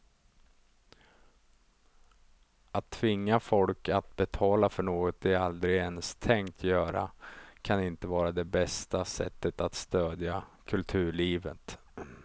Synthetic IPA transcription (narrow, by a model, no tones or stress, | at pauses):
at̪ʰːvɪŋːafɔlkat̪̚bɛt̪ʰɑːlafœɳoːɡɔt̪̚ɛald̪ɾɪɡɛnst̪ʰɛŋkt̪ʰjœːɾa̰kʰanɪnt̪əvɑːɾad̪ɛbɛst̪asɛ̰t̪ːət̪at̪st̪øːd̪jakʰɵlt̪ʰʉ̟ːɭiːvə̰t̪